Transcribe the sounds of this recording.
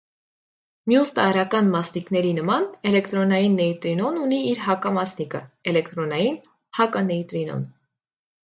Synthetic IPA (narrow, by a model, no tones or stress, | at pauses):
mjust̪ɑɾɑkɑnmɑsniknɛɾinəmɑnɛlɛkt̪ɾɔnɑjinːɛjt̪ɾinɔnuniːɾhɑkɑmɑsnikə̰ɛlɛkt̪ɾɔnɑjin | hɑkɑnɛjt̪ɾinɔ̰n